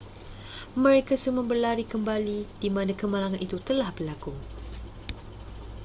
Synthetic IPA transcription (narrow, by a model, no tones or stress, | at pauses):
mə̃ɾekasəməbərlaɾikəmbalid̥imãnãkəmalaŋanit̪ut̪əlahbərlaku